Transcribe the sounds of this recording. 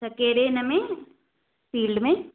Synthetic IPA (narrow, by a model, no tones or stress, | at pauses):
sɐkeːɾenɐmẽ | fiːlɖmẽ